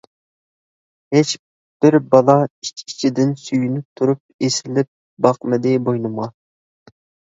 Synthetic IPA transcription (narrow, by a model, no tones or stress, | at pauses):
het͡ʃ | b̥ɪɾbɑlˠɑi̥t͡ʃʲkʲʰi̥t͡ʃʰid̪ɪnsyjynyp̚t̪ʰuɾup̚esɪlɪp̚ | bɑqmɪd̪ɪbojnɨmʁɑ